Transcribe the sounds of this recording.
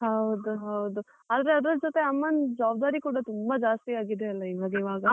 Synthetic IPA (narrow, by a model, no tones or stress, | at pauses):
ɦɐwd̪uɦɐwd̪u | aːd̪ɾeɐd̪ɐɾd͡ʒoːt̪e̞ɐmːɐnd͡ʒaːb̚d̪aːɾikuːɽɐt̪umbɐd͡ʒaːst̪iaːɡid̪eɐlːɐiʋaːɡɐiʋaːɡɐ